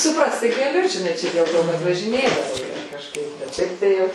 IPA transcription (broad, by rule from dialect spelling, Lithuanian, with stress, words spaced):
sʊˈprɐst tɐɪ ɡɐˈlʲʊ ʒʲɪˈnɐɪ ˈt͡ʃʲɛ dʲeːlˠ ˈtoː kɐt ʋɐʒʲɪˈnʲeːdɐʋoː ˈjiɛ kɐʃˈkɐɪp bʲɛt ˈʃʲɛɪp tɐɪ ˈjɛʊ